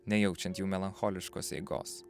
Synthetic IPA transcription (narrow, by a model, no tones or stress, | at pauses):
nʲɛjɛʊt͡ʃʲɛnt̪juːmʲɛlˠɐnxoːlʲɪʃko̰ːsɛ̰ɪɡo̰ːs